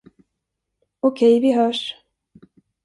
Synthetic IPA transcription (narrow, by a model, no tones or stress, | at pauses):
ɔkʰɛjvɪɦœːʂ